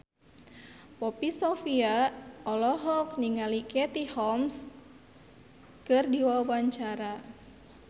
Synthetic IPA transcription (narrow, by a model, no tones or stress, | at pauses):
pɔpisofiaɔlɔɦɔk̚niŋalikɛt̪ihɔms | kɨrdiwawaɲt͡ʃaɾa